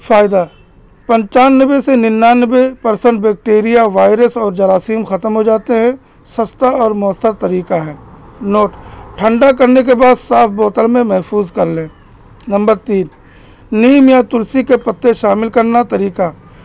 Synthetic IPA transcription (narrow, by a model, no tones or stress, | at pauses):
faːɪd̪a | pɐ̃ɲt͡ʃaːnːəbesenɪnːaːnəbepɐɾsə̃ɳʈ̚bɛːk̚ʈeːɾijaʋaːɪɾəsɔːɾd͡ʒɐɾaːsiːmxɐt̪əmɦod͡ʒaːt̪eɦɛ̃ | sɐst̪aɔːɾmʊəsːəɾt̪ɐɾiːkaɦɛːnoːʈʈʰə̃ɳɖakɐɾnek̬ebaːd̪saːfʰbɔːt̪əlmẽmɛɦfʰuːzkɐɾlẽː | nɐ̃mbəɾt̪iːn | niːmjat̪ʊlsikepɐt̪ːeʃaːmɪlkɐɾnat̪ɐɾiːka